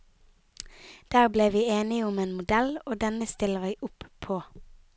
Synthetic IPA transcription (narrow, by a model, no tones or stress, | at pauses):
d̪̥æːʁbleːʋiːeːnɪʊmeːnmʊd̪ɛloːd̪ɛnəst̪ɪləʁæɪʔʊppʰoː